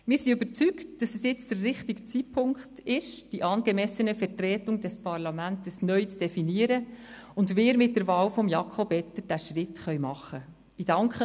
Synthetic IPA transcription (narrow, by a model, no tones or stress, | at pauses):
mɪːɾsiøbəɾt͡syktd̥ɑsɛsjɪt͡sd̥ərːɪχtiɡət͡sipʰʊŋktɪʃd̥iʔɑːnɡ̥emɛsənəfɛtrɛːtʊŋdɛspʰɑɾlɑmæntəsnœʏt͡sd̥ɛfiniəɾəʊndʋɪːɾmɪt̚dəɾvɑːlfɔmjɑkʰɔpɛtːəɾd̥æːʃrɪtχœʏmɑχə | id̥ɑŋkχə